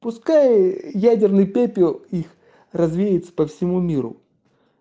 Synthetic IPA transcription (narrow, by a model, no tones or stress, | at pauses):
pʊskajɪjædʲɪrnɨjpʲepʲoix | rɐzvʲejɪt̪sə̥pəfsʲɪmumʲiɾʊ̰